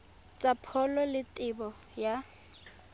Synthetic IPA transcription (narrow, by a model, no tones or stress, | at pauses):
t͡sʼapʰɔlɔlɪtʼɪbɔ | ja